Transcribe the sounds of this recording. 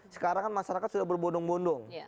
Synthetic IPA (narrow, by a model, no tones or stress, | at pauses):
sə̥kaɾaŋnmaʃaɾakat̪̚sudahbərbondɔŋbondʊŋ